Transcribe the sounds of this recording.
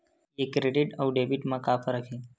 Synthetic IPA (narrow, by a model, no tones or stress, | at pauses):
ekːɾeɖiʈəwɖebiʈmãkapʰəɾəkʰe